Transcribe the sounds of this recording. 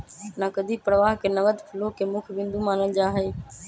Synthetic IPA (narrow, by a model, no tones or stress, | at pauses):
nakəd̪ʱipɾəʋaːɦkeːnəʋəd̪pʰɪloːkeːmʊkʰʋɪ̃nd̪umaːnəld͡ʒaːɦeː